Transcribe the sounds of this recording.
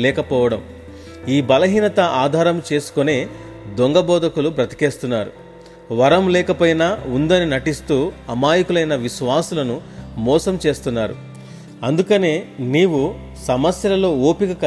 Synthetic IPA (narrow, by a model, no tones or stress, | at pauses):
lɛːkɐpɔːʋɐɽɐm | iːbɐlɐɦiːnɐt̪ɐaːd̪ʱaːɾɐmt͡ʃe̞ːsu̥kone̞ː | d̪oŋɡɐbɔːd̪ʱɐkulupɾɐt̪i̥ke̞ːst̪unːaːɾṵ | ʋɐɾɐmlɛːkɐpɐjnɐund̪ɐninɐʈist̪uːɐmaːjɐkulɐjnɐʋiʃʋaːsulɐnumɔːsɐmt͡ʃe̞ːst̪unːaːɾṵ | ɐnd̪ukɐne̞ːniːwu | sɐmɐsjɐlɐlo̞ːoːpikɐkɐ